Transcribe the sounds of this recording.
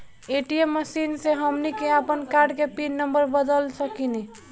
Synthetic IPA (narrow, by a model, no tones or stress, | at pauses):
eʈiemːəsinseɦəmnikeapənkaɾɖkepinnəmbəɾbəd̪əlsəkini